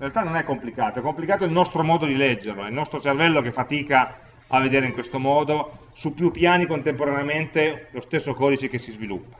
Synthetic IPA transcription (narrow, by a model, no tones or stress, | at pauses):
rɾealt̪anːonɛkːomplikaːt̪oɛkːomplikaːt̪oilnɔst̪ɾomɔːd̪od̪ilɛd͡ʒːerloɛilnɔst̪ɾot͡ʃervɛlːok̟efːat̪iːka | avːed̪eːɾeiŋkwest̪omɔːd̪o | supːjupːjaːnikont̪empoɾaneament̪elost̪esːokɔːd̪it͡ʃekesːizvilṵpːḁ